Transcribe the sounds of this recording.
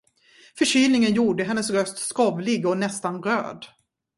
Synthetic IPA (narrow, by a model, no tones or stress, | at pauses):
fœɕyːlnɪŋənjuːɖəɦɛnːəsɾœst̪skɔvlɪɡɔnɛst̪anɾø̰ːd̪